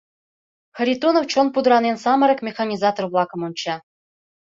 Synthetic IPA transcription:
xə̆ɾʲit̪onowt͡ɕonpud̪ɾɑnensɑməɾɤkmʲexanʲizɑt̪orblˠɑkəmunʲt͡ɕɑ

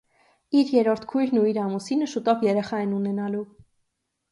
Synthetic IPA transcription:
iɾjɛɾɔɾt̪ʰkʰujlnuiɾɑmusinəʃut̪ɔvjɛɾɛχɑɛnunɛnɑlu

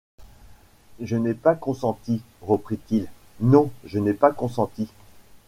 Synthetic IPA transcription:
ʒənɛpakɔ̃sɑ̃t̪i | ʁəpχit̪il | nɔ̃ʒənɛpakɔ̃sɑ̃t̪i

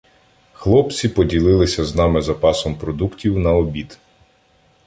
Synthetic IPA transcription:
xlˠɔpt͡sʲipɔdʲilˠɪlˠɪsʲɐznɑmɪzɐpɑsɔmpɾɔd̪uktʲiwnɐɔbʲid̪

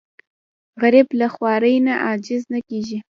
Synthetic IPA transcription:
ɣaɾɪblaxwɑɾəjnaʔɑd͡ʒɪznakeʒi

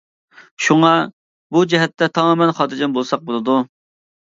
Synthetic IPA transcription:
ʃuŋɑ | bud͡ʒɛɦɛt̪ʰːɛt̪ʰɑmɑmɛnχɑːt̪ɾd͡ʒɛnbolˠsɑq̚bolˠɨd̪u

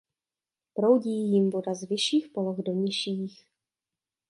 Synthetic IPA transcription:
pɾo̞wɟiːjɪmvo̞dazvɪʃiːxpoloɣdo̞ɲɪʃiːx

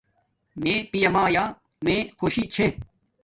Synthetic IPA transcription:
meːpijɐmaːjaː | mẽːxoɕit͡ɕʰe

